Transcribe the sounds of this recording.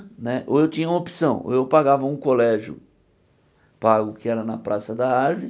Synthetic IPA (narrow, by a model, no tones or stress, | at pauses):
nɛʔo̰ewt͡ʃĩɲɐumɐopi̥sɐ̃w̃o̰ewpaɡavɐũkolɛʒjʊ̰ | paɡʊkɪɛɾɐnɐpɾasɐd̪ɐaɾvɪ